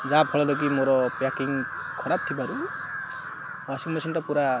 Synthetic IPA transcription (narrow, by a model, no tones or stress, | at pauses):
zapʰɔɭɔlɔɡimɔɾɔpakiŋ | kʰɔɾab̚t̪ʰibaɾu | wasiŋmɔsʰɔnʈapuɾa